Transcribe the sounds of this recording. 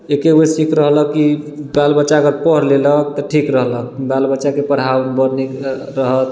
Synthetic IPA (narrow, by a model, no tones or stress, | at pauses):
ekeojsikɾəɦləkːibalbətːʃaəɡəɾpəɾleləkt̪ɔʈʰikɾəɦlək̚balbətːʃakepəɽ̤awnbəɾne | ɾəɦət̪